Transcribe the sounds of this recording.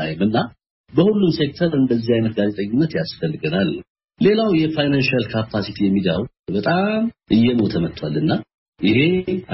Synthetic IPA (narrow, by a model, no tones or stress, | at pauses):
ajɪmɨnːa | bəhulːumse̞k̚t̪ʰəɾɨnd̪əzːihajnət̪̚ɡazet̪ʼəɲːɪnːət̪jasfəlːɨɡənal | le̞lawjɛfajnanʃialkʰapʰasit̪ʰijɛmːid̪ijaw | bət̪ʼamʔɨjːɛmot̪ʰəmət̪ʰwalːɨnːa | ʔɪhe̞